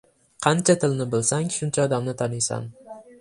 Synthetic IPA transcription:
qʰɑnt͡ʃʰat̪ʰɪlnɪbɪlsaŋʃʊnt͡ʃʰaɒd̪amnɪt̪ʰanɪjsa̰n

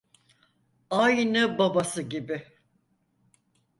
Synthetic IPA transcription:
ajnɯbabasɯɟibɪ

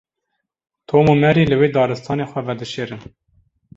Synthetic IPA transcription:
t̪ʰoːmomɛɾiːləweːd̪ɑːɾɨst̪ʰɑːneːxʷɛvɛd̪ɨʃeːɾɨn

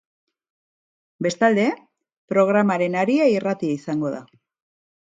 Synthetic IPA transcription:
be̞st̪ald̪e̞ | pɾo̞ɣ̞ɾamaɾe̞naɾiairat̪iaisaŋɡo̞ða̰

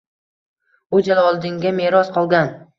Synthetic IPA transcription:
ʊd͡ʒalɒlˠd̪ɪŋɡʲameɾɒsqʰɒlˠɡʲan

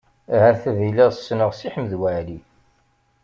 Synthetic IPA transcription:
hæɾθæviləʁsːnəʁsiħəmðwæʕli

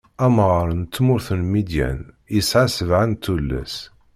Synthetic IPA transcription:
æmʁɾˤənt̪ːmʊɾθənmid̪jæ̰n | jəsʕasəvʕant̪ːulːæ̰s

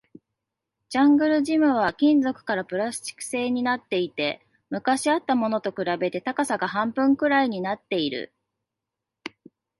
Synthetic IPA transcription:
d͡ʑãŋɡɯ̟ɾɯ̟ʑimɯ̟β̞akʲĩnd͡zo̞kɯ̟̥kaɾapɯ̟ɾast͡ɕi̥kɯ̟̥se̞ːɲ̟inat̪ːe̞it̪e̞ | mɯ̟kaɕiat̪ːamo̞no̞t̪o̞kɯ̟ɾabe̞t̪e̞t̪akasaɡahãmpɯ̟̃ŋkɯ̟ɾaiɲ̟inat̪ːe̞iɾɯ̰

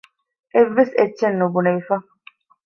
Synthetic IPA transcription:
ʔeʋːeset͡ʃːenːubunɐʋifɐ

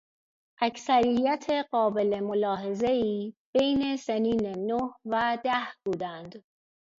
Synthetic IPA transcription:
ʔæcʰsæɾijæt̪ʰe̞ɢɒːbe̞le̞molɒːɦe̞zeiːb̥e̞jne̞seniːnenohvæd̪æhbuːd̪ænd̪

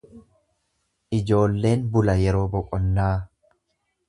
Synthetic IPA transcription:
ʔɪd͡ʒo̞ːlːe̞ːnbʊlɐjɛɾo̞ːbɔkʼɔnːaː

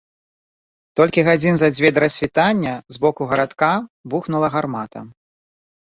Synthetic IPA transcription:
t̪ɔlʲkʲiɣad͡zʲinzad͡zʲvʲɛd̪ɐɾɐsʲvʲit̪anʲːɐzbɔkuɣɐɾat̪kabuxnulˠɐɣarmat̪ɐ̰

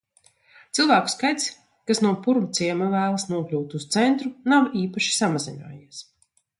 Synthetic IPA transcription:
t̪silˠvæːku̥skajt̪s | kasnuɔpuɾumt̪siɛmavæːlˠasnuɔklʲuːt̪ust̪sɛnt̪ɾunawiːpaʃi̥samazina̰ːjiɛs

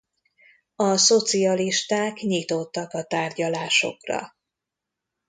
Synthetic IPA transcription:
ɒso̞t̪siɒliʃt̪aːkɲit̪o̞t̪ːɒkɒt̪aːrɟɒlaːʃo̞̰krɒ̰

